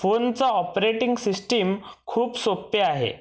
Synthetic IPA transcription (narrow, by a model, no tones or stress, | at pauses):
font͡saɔpɾeʈiŋɡsisʈimkʰuːpsopːeaɦḛ